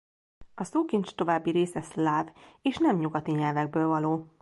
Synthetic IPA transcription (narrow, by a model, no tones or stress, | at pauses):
ɒsoːkint͡ʃt̪o̞vaːbːiɾeːsɛslaːveːʃnɛmɲuɡɒt̪iɲɛlvɛɡ̚bøːlvɒloː